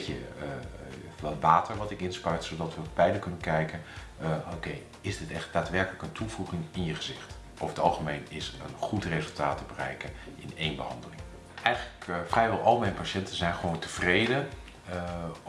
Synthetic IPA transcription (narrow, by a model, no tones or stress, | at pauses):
ə | ʋɑtʋaːtəɹʋɑtɪkɪnspœɥtsodɑtʋəb̥ɛjləkːɵnənkɛjkən | owkej | ɪzdɪtɛχt̚d̥aːtʋɛɹkələkəntʰuvuχɪŋɪnjəχəzɪχt | ɔfətɑ̰lˠχəmejnɪsənχutrezəlˠtaːtəbərɛ̰jkənʔɪ̰nejnbəhɑ̰ndəlɪŋ | ʔɛjχələkfrɛjʋɛlˠʔɑlˠmɛjnpaʃɛntəzɛjnχəʋowntəv̥rejdə